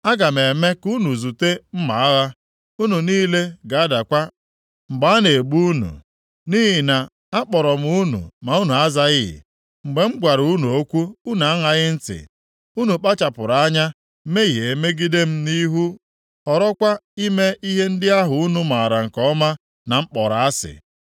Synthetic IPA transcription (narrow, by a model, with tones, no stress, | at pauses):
a˦ɡa˨m̩e˨me˦ku˦nu˨zu˨te˦m̩˦ma˨a˦ɣa˦ | u˦nu˨niː˦le˦ɡa˨a˦da˨kʷa˦ | ŋ͡m̩˨ɡ͡ba˦a˦ne˨ɡ͡bu˦u˦nṵ˨ | ni˦ɦɪ˨na˨ | a˦k͡pɔ˨ɾɔ˨m̩˦u˦nṵ˨ma˨u˦nu˨a˦za˦ɣɪ˦ɪ̰˨ | ŋ͡m̩˨ɡ͡be˨ŋ͡m̩˦ɡʷa˨ɾu˦nu˨o˦kʷu˦u˦na˨a˦ŋa˨ɣɪ˦n̩˦tɪ̰˨ | u˦nu˨k͡pa˦t͡ʃa˨pʊ˨ɾa˦ɲa˦ | me˦ɣi˨e˨me˦ɡi˦de˦m̩˦ni˦ɦu˦ | ɔ˨ɾɔ˦kʷa˦i˦me˦i˦ɦe˦n̩˦dɪ˦a˦ɦʊ˨u˦nu˦ma˨ɾa˨ŋ̩˨kɔ˦ma˦ | na˨ŋ͡m̩˦k͡pɔ˨ɾa˨a˦sɪ̰˨